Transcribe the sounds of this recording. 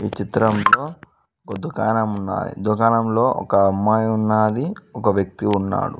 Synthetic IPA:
ḭːt͡ʃit̪ɾɐmlo̞ː | ɡod̪ukaːnɐmunːa̰ːjḭd̪ukaːnɐmlo̞ːʔɔ̰kɐːmːaːjɐunːaːd̪iɔkɐʋjɐk̚t̪iunːa̰ːɽṵ

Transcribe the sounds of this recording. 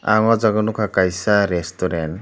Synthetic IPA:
aŋazaɡɔnukʰakajsaɾestɔɾen

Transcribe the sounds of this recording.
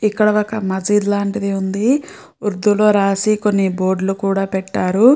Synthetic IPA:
ikːɐɽɐʋɐkɐmɐd͡ʒiːd̪laːɳʈid̪iund̪i | uɾd̪uloːɾaːsiko̞nːibo̞ːɾɖlukuːɽaːpɛʈːaːɾu

